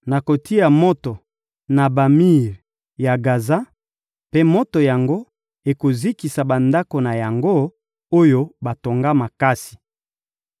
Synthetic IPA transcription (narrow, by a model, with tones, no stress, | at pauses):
na˨ko˨ti˦a˨mo˦to˨ | na˨ba˨mi˦˨ʁ | ja˨ɡa˨za˦ | pe˦mo˦to˨ja˨ŋɡo˦ | e˨ko˨zi˦ki˨sa˨ba˨nda˦ko˨na˨ja˨ŋɡo˦ | o˦jo˦ba˨to˨ŋɡa˦ma˨ka˦si̥˨